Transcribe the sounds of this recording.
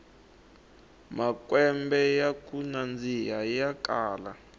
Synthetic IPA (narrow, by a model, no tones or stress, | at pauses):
makwɛmbɛjakunand͡zijajakaːla